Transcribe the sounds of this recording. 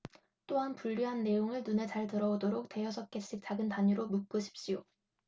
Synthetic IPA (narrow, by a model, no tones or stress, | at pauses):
t͈oɦanpuʎːiɦanːe̞joŋɯɭnune̞t͡ɕaɭtɯɾʌodoɾok̚te̞jʌsʰʌk͈eɕ͈ʰik̚t͡ɕ͈aɡɯntaɲiɾomuk̚k͈uɕʰi̥p̚ɕ͈io